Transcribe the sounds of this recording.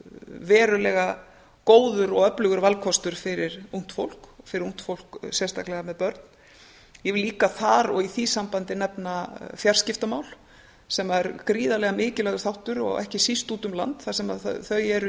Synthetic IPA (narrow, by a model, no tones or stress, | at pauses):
vɛːɾʏlɛɣa | koːwðʏɾɔɣœplʏɣʏɾvalkʰɔst̪ʏɾ̥fɪɾɪɾun̥t̪fo̰wl̥kfɪɾɪɾun̥t̪fowl̥ksjɛrst̪ʰahklɛɣamɛðpœɾt̪n | jɛvɪliːkaθaɾɔ̰ɣiθisampant̪ɪnɛpnafjar̥scɪft̪amawl | sɛmaɛɾkɾiːðalɛɣamɪːcɪlɛɣʏɾθawht̪ʏɾɔ̰ɣɛ̰hcɪsist̪uːt̪ʏmla̰nt̪θasɛma̰ðθθœɥɛɾ